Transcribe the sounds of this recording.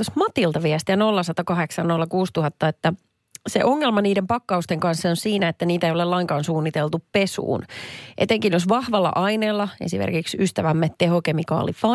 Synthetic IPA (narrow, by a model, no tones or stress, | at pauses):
osmɑt̪ilt̪ɑʋiɛst̪iæno̞lːɑsɑt̪ɑkɑɦe̞ksɑnno̞lːɑkuːst̪uɦɑt̪ːɑet̪ːæ | sḛʔo̞ŋːelmɑniːdempɑkːɑust̪eŋkɑnsːonsiːnæet̪ːæniːt̪æeijo̞lelɑiŋkɑːnsuːnːit̪elt̪uppesṵːnʔḛt̪eŋkinjosʋɑhʋɑlːɑ̰ʔɑineːlːɑḛsimḛrkiksyst̪æʋæmːet̪te̞ɦokemikɑ̰ːlifɑ